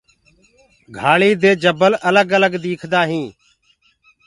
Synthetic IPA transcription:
ɡʱaːɭiːd̪eːd͡ʒəbəlʔələɡələɡd̪iːkʰd̪aːɦĩː

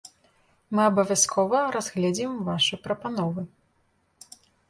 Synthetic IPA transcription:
mɨɐbɐvʲaskʰɔvɐɾazɣlʲad͡zʲimvaʂɨjpɾɐpanɔvɨ

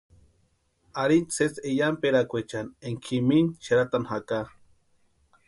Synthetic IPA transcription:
aɾint͡sʰet͡sejampeɾakʷet͡ʃaneŋkʰiminʃeɾat̪anhaka

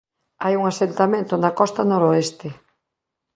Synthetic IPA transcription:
ajuŋasent̪amẽnt̪ʊnakɔst̪anoɾoest̪ɪ

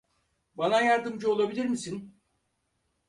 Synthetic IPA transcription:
banajaɾd̪ɯmd͡ʒɯo̞lˠabilʲiɾmisin

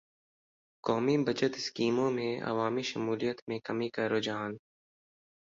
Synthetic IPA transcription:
kɔːmibɐd͡ʒət̪ɪskiːmõmẽɐ̰ʋaːmiʃɐmuːlijət̪mẽkɐmikaɾoːd͡ʒaːn

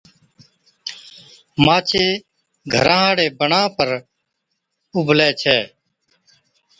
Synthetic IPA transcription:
maːt͡ʃʰeː | ɡʱəɾãːɦãːɽeːbəɳãːpəɾ | ʊbʱlɛːt͡ʃʰɛː

